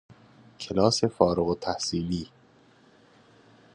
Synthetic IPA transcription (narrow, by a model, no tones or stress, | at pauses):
cʰelɒːse̞fɒːɾoɣot̪ʰæhsiːliː